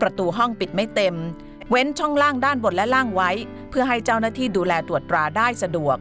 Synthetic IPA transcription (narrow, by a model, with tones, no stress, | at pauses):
pɾa˧t̪uː˧ɦɔ˥˩ŋpi˨˩t̪̚ma˥˩jt̪e˧m | we˦˥nt͡ɕʰɔ˥˩ŋlaː˥˩ŋdaː˥˩nbo˨˩t̪̚lɛ˦˥laː˥˩ŋwa˦˥j | pʰɯ˥˩ɐɦa˥˩jt͡ɕa˥˩wnaː˥˩t̪ʰiː˥˩duː˧lɛː˧t̪ɾu˨˩ət̪ːɾaː˧daː˥˩jsa˧du˨˩ək̚